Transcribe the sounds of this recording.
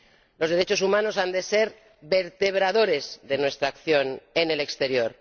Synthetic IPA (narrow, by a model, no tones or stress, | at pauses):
lo̞zðe̞ɾe̞t͡ʃo̞sumãno̞sand̪e̞se̞ɾ | βe̞ɾt̪e̞β̞ɾaðo̞ɾe̞zðe̞nwe̞st̪ɾaːkθjo̞nene̞le̞kst̪e̞ɾjo̞ɾ